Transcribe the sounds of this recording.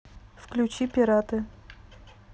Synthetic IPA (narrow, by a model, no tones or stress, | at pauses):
fklʲʊt͡ɕipʲɪɾat̪ɨ